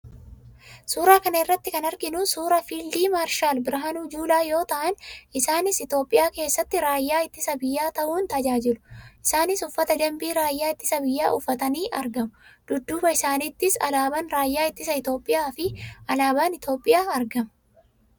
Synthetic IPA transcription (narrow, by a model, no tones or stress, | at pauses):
suːɾaːkɐnɐɪrːɐt̪ːɪkɐnɐɾɡɪnʊsuːɾɐfiːld̪iːmaːɾʃaːlbɪɾɐɦɐnuːd͡ʒuːlaːjo̞ːt̪ɐʔɐnɪsaːnɪsɪt̪o̞ːpʼɪjaːke̞ːsːɐt̪ːɪɾaːjːaːɪt̪ːɪsɐbɪjːaːt̪ɐʔuːnt̪ɐd͡ʒaːd͡ʒɪlʊ̥ʔɪsaːnɪsʊfːɐt̪ɐd͡ʒ̪ɐmbiːɾaːjːaːɪt̪ːɪsɐbɪjːa̰ːʔʊfːɐt̪ɐniːʔɐɾɡɐmʊd̪̥ʊd̪ːuːbɐɪsaːnɪt̪ːɪsɐ̰laːbɐnɾaːjːaːɪt̪ːɪsɐɪt̪o̞ːpʼːɪjaːfɪʔɐlaːbaːnɪt̪o̞ːpʼːɪjaːɐɾɡɐm